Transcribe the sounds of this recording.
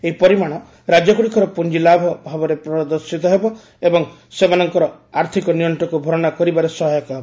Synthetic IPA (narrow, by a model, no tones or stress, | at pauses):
eɦipɔɾimaɽ̃ɔ | ɾad͡ʒjɔkuɽikʰɔɾɔpund͡ʒilabʱɔbʱabɔɾepɾɔd̪ɔɾsit̪ɔɦebɔ | ebɔŋ | semanɔŋkɔɾɔaɾt̪ʰikɔnijɔɳʈɔkubʱoɾɔɽ̃akɔɾibaɾesɔɦɔjɔkaɦebɔ